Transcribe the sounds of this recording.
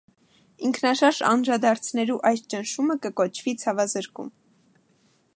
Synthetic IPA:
iŋkʰnɑʃɑɾʒɑ̰nɾɑd̪ɑɾt͡sʰnɛluʔɑjst͡ʃənʃuməkəkɔt͡ʃʰvit͡sʰɑvɑzəɾkṵm

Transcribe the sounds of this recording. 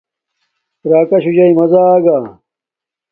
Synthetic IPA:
ɾaːkɐɕud͡ʑɐimɐzaːɡaː

